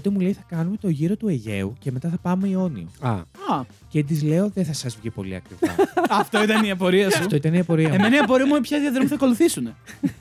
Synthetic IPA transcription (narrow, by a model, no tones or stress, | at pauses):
ot̪emule̞jθɐkɐnume̞t̪o̞ʝiɾo̞t̪ueʝe̞uce̞me̞t̪ɐθɐpɐme̞io̞nḭɐ̰ɐ | ced̪izle̞o̞ðeθɐsɐzvʝipo̞̰lḭɐ̰kɾivɐ̰ɐft̪oit̪ɐniɐpo̞ɾiɐsɐɐft̪oit̪ɐniɐpo̞ɾiɐemenɐiɐpo̞ɾiɐmumepçɐðjɐðɾomuθɐko̞luθisune̞